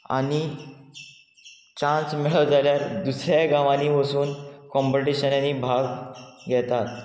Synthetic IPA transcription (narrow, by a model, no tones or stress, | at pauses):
a̰ɽ̃i | t͡ɕãnsmɛɭəʋd͡zaljaɾd̪usɾjaɡãʋaniːʋəsuːnkɔ̃mpəʈiɕənaniːbʱaɡɡʱɛt̪at̪